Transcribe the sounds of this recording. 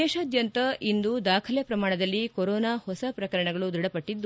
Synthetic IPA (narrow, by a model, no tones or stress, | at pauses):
ɛːʃaːd̪ʱjɐnt̪ɐʔind̪ud̪aːkʰɐljɐpɾɐmaːɳɐd̪ɐlːikɔɾɔːnaːhɔsɐpɾɐkɐɾɐɳɐɡɐɭud̪ɾuɽɐpɐʈːid̪ːu